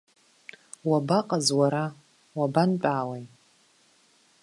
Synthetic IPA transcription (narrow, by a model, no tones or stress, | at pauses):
wabaqʼazwaɾa | wabant͡ʃʼaːwej